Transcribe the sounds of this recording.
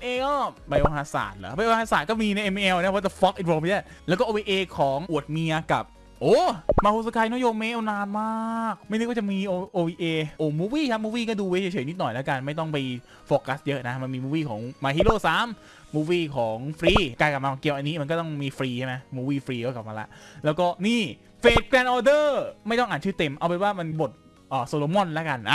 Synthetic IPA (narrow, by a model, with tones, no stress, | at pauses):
nʔeː˧kɔː˥˩ba˧jʔoː˧ɦaː˧˥sa̰ː˨˩t̪̚laː˩˦ba˧jʔoː˧haː˧saː˨˩t̪̚kɔː˥˩miː˧na˧jʔe˧mi˧ʔe˧wnː˧˦˥pːt̪ːfɔ˦˥k̚ʔi˨˩t̪̚wɔː˧mʰa˦˥za˥˩lɛː˧˦˥wkɔː˥˩ʔoː˧iː˧ʔeː˧kʰɔː˩˦ŋʔu˨˩ət̪̚mi˧ɐ˧ka̰˨˩p̚ | ʔoː˧˩maː˧huː˧˥˩s̬a˧kʰaː˧jnaː˦˥jo˧mːe˦˥ʔa˧naː˧nmaː˥˩˥k̚ma˥˩jn˦˥kwa˥˩a˨˩miː˧ʔo˧ʔoː˧wiː˧ʔeː˧ʔoː˧˩muː˦˥wiː˥˩kʰa˦˥muː˥˩wiː˥˩kɔː˥˩duː˧we˦˥˩t͡ɕʰːt͡ɕʰɤː˩˦ni˦˥t̪̚nɔ˨˩jlɛː˦˥ka˧nma˥˩jt̪ɔ˥˩ŋpa˧j | foː˨˧ka˦˥sjɤ˦˥ʔna˦˥ma˧nmiː˧muː˦˥˩wiː˥˩kʰɔː˩˦ŋmaː˧ɦiː˦˥˩loː˥˩saː˦˥mː | uː˧˩wiː˥˩kʰɔː˩˦ŋfɾiː˧˩kaː˧jkla˨˩p̚aː˧kɔː˩˦ŋki˧əwʔa˧nːiː˦˥ma˧nkɔː˥˩t̪ɔ˥˩ŋmiː˧fɾiː˧t͡ɕʰa˥˩ma˦jmuː˧˩wiː˥˩fɾiː˧˦˩ka˨˩p̚maː˧la̰˦˥ʔlɛː˦˥wkɔː˥˩niː˥˩ | feː˨˩t̪̚kɾɛː˧nʔɔː˧dɤː˥˩ma˥˩jt̪ɔ˥˩ŋʔaː˨˩nt͡ɕʰɯː˥˩t̪e˧mʔa˧wpa˧nwaː˥˩ma˧nbo˨˩t̪̚ | ʔəː˨˩soː˧loː˧mɔ˥˩˨nla˦˥ka˧nʔa˧˦